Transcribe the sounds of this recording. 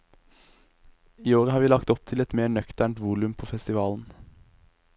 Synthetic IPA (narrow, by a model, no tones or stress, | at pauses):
iːoːʁəhɑːɾʋiːlɑkt̪ɔp̚t̪ʰɪlɛt̪meːɳœkt̪æɳt̪ʋuːlʉmpʰoːfɛst̪ɪʋɑːln̩